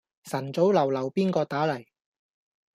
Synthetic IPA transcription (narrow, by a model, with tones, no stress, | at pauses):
sɐ˨˩nt͡so˨˥wlɐ˨˩wlɐ˨˩wpiː˥nkɔː˧t̪aː˨˥lɐ˨˩j